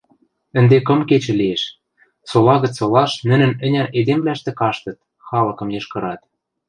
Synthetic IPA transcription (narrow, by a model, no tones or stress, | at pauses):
ə̆nd̪ekɤ̆mket͡ɕɘ̆lieʃ | solɑɣə̆t͡solɑʃnɘ̆nɘ̆nɘ̆nʲæʔed̪emblæʃt̪ĕkɑʃt̪ɤ̆t̪̚ | xɑlɤ̆kɤ̆mjɤ̆ʃkɤ̆ɾɑt̪̚